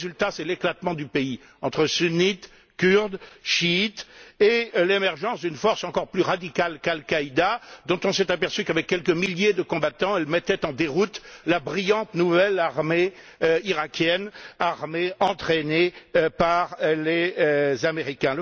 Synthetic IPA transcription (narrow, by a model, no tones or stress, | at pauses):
zylt̪asɛleklat̪mɑ̃d̪ypei | ɑ̃t̪χəsynit̪ | kʲyʁd̪ʃiːt̪elemɛʁʒɑ̃sd̪ynfɔʁsɑ̃kɔʁplyʁad̪ikalkalkaid̪ad̪ɔ̃t̪ɔ̃sɛt̪apɛʁsykavɛkʲːɛlkəmiljed̪əkɔ̃bat̪ɑ̃ɛlmɛt̪ɛt̪ɑ̃d̪eʁut̪labʁijɑ̃t̪nuvɛlaʁme | øiʁakʲjɛnaʁmeɑ̃t̪χenepaʁlezameʁikʲɛ̃ə